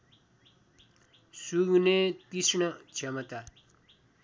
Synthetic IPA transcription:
suɡnet̪isɳʌt͡ɕʰʌmʌt̪a

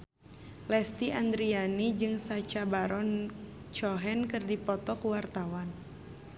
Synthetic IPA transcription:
lɛst̪iʔand̪ɾianid͡ʒɨŋsat͡ʃabaɾɔn | t͡ʃɔɦɛnkɨrdipɔt̪ɔkuwart̪awan

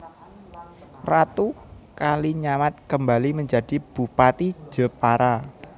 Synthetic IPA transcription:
rat̪u | kaliɲamat̪̚kəmbaliməɲd͡ʒad̥i̤b̥ṳpat̪i̥d͡ʒ̥ə̤paɾa

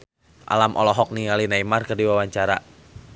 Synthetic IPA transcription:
ʔa̰lamʔɔ̰lɔɦɔk̚niŋalinaimarkərdiwawaɲt͡ʃaɾa

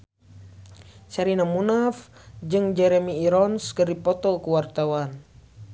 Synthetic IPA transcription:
saɾinamunafd͡ʒɨŋd͡ʒɛɾɛmiːɾɔnskərdipɔt̪ɔkuwart̪awan

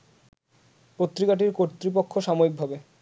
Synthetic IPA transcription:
pot̪ːɾikaʈ̬iɾkoɾt̪ɾipokʰːoʃamoik̚bʱabe

